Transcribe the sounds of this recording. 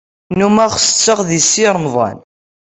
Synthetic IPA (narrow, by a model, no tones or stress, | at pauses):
numæʁsə̥t͡sːəʁðisːiɾˤmðˤɑ̰n